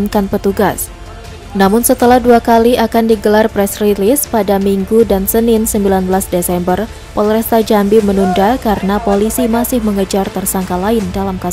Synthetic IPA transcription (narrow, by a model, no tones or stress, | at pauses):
nkanpət̪uɡas | namʊnsət̪əlahduakaliʔakandiɡəlarpɾɛsrilɪspadamiŋɡudansənɪnsəmbilanbəlasdesɛmbər | pɔlɾɛst̪ad͡ʒambɪmənundakaɾənapolisimasɪhməŋəd͡ʒart̪ərsaŋkalaɪndalamka